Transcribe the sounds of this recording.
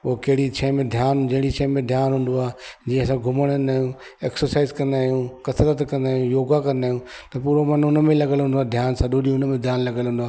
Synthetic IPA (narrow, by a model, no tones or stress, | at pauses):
pokɐɦɪɽit͡ɕʰɐ̃ːmẽd̪ʱjaːnd͡ʑɐ̃ɦɪ̃ɽ̃it͡ɕʰɛ̃ːmẽd̪ʱjaːnɦũːn̆d̪oaːd͡ʑĩːə̃ɐs̬ãɡʱʊməɽ̃naːɦijũ | eːksəɾsaːɪzkɐ̃nd̪aːɦijũkɐsələt̪kɐ̃nd̪aːɦijũjoːɡakɐ̃nd̪aːijũt̪ɐpuːɾomɐnʊnə̆mẽlɐɡəlɦũːn̆d̪aːd̪ʱjaːnsɐɗoɗiʊnmẽd̪ʱjaːnlɐɡəlɦũːn̆d̪aː